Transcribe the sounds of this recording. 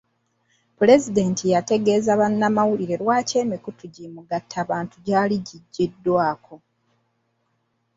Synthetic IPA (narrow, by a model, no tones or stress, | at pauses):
pule̞zide̞ːntʰijate̞ɡe̞ːzaβanːamawuliɾe̞ɾwaːce̞ːmikutuɟimuɡatʰːaːβaːntuɟaːliɟiɟːidːwaːko̞